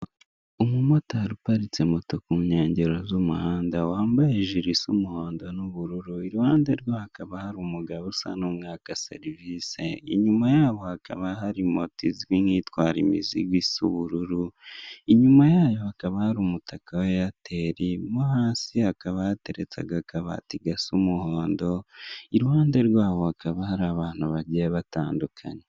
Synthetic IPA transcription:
umumotaaɾupaɾit͡se̞moto̞kuɲeːɲɟeɾo̞zumuhaːndawaːmbajeʒiɾisumuhoːndonuβuɾuɾuiɾuhaːndaɾɡo̞hakaβahaɾumuɡaβusa̰numŋaːkasḛɾivise̞ḭɲumajaːβo̞hakʰa̰βaɦaɾimotiziɡwiŋiːtwaːɾḭmḭzḭɡwisṵβuɾuɾuiɲumajaːjo̞hakaβahaɾumutʰakawe̞jatʰeɾimuhaːsiakaβajate̞ɾet͡sa̰ɡakaβa̰tiɡasumuhoːndo̞iɾwaːndeɾɡwaːβo̞hakaβahaɾaβaːn̥huβaɾɟaaβataːndukʰa̰ɲe

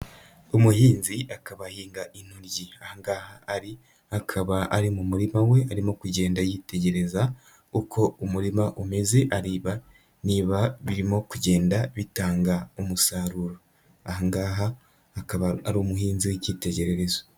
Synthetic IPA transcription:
umuɦiːnziʔakaβahiːŋɡaʔin̥huɾɟiahaŋɡaːhaːɾi | akʰaβaʔaɾimumuɾimawe̞aɾimo̞kuɟe̞ːndajiːte̞ɟe̞ɾe̞za | ukʰo̞umuɾimaʔume̞ze̞ʔaɾiːβa | niβaβiɾimo̞kuɟe̞ːndaβitaːŋɡaumusaːɾuːɾo | a̰haŋɡaɦaː | kaβaaɾuːmuɦiːnziweciːte̞ɟe̞ɾe̞ɾe̞zo

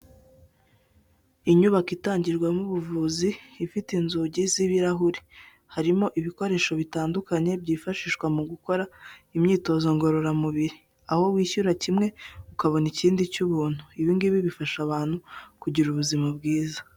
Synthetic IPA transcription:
iɲuβakitaːɲɟiɾɡwamuβuvuːziːfitinzuɟiziβiɾaɦuɾi̥ | haɾimo̞ʔiβiko̞ɾe̞ːʃo̞βitaːndukaɲe̞bɟiːfaʃiːʃkwamuɡuko̞ɾaimɲiːto̞zo̞ŋɡo̞ɾo̞ɾamuβiɾi | aho̞wiːçuɾacimŋe̞ukaβo̞niciːndicuβuːn̥huiβiŋɡiβiβifaʃaβaːn̥hukuɟiɾuβuzimabɡiːza

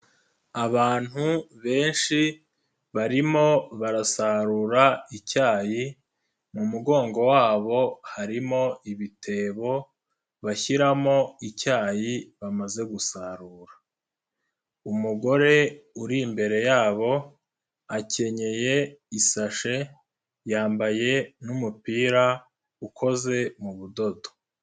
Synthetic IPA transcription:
aβaːn̥huβe̞ːnʃi | βaɾimo̞βaɾasaɾuːɾaicaːji | mumuɡo̞ːŋɡo̞waːβo̞haɾimo̞iβitʰe̞βo̞ | βaçiɾamo̞icaːjiβamaze̞ɡusaɾuːɾa | umuɡo̞ɾe̞uɾimbe̞ɾe̞jaːβo̞ | ace̞ɲe̞je̞isaʃe̞ | jaːmbaje̞numupiːɾa | ukʰo̞ze̞muβudo̞do̥

